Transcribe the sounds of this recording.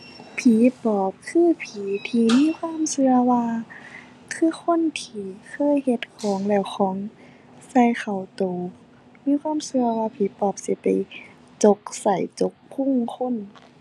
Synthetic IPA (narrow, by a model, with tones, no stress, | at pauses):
pʰiː˨˦pɔː˨˩˦p̚kʰɯː˧˥˩pʰiː˨˦t̪ʰiː˧miː˧˥˨kʰwaː˧˥˨msɯ˧ɐwaː˧ | kʰɯː˧˩˨kʰo˧˥˨nt̪ʰiː˧kʰɤː˧˥˨jhe˧˦t̪̚kʰɔː˨˦ŋlɛː˧˩wxʰɔː˨˦ŋ | sa˧˩jxa˨˩wt̪oː˨˩ | miː˧˥˨kʰwaː˧˥˨msɯ˧ɐwaː˧pʰiː˨˦pɔː˧˩p̚si˧˦pa˨˩j | t͡ɕo˧˦k̚sa˨˩jt͡ɕo˧˦k̚pʰu˧˥˨ŋkʰo˧˥˨n